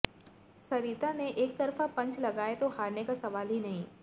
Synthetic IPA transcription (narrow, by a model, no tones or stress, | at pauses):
sɐɾiːt̪aneʔeːk̚t̪ɐɾfapɐ̃ɲt͡ʃlɐɡaːet̪oɦaːɾnekasɐʋaːlɦinɐɦĩː